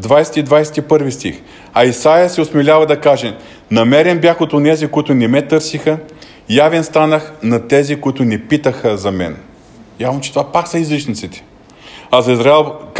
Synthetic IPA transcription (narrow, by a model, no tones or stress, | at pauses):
d̪vajsɛ̥t̪id̪vajsɛ̥t̪ipɤɾvist̪ḭx | ɐisajəsɛosmɛlʲavɐd̪ɐkaʒɛ | nɐmɛɾɛnbjaxot̪onɛzikʊit̪ʊnɛmɛt̪ɤɾsixə | javɛnst̪anəxnɐt̪ɛzikʊit̪ʊnɛpit̪əxəzɐmɛ̰n | javnot͡ʃɛ̥t̪ovapaksɐizlit͡ʃnit̪sit̪ɛ̥ | ɐzɐizɾaɛlˠv